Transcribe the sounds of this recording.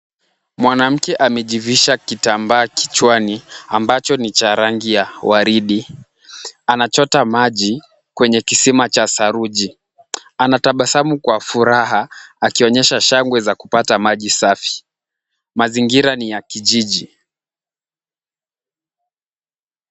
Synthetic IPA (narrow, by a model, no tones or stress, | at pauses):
mwanam̩kɛʔamɛʄiviʃakitambaːki̥t͡ʃwaniambat͡ʃɔnit͡ʃaɾaŋɡijawaɾiɗi | anat͡ʃɔtamaʄi | kwɛɲɛkisimat͡ʃasaɾuʄi | anataɓasamukwafuɾaɦaakiɔɲɛʃaʃaŋɡwɛzaku̥patamaʄisafi̥ | maziŋɡiɾanijakiʄiʄi